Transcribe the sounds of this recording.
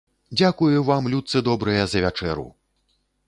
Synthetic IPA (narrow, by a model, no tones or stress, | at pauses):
d͡zʲakujuvamlʲut̪sɨd̪ɔbɾɨjɐzɐvʲat͡ʂɛɾṵ